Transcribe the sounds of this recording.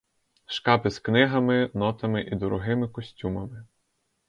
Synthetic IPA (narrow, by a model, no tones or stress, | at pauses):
ʃkɑpɪsknɪɦɐmɪnɔt̪ɐmɪʔid̪ɔɾɔɦɪmɪkɔsʲtʲumɐmɪ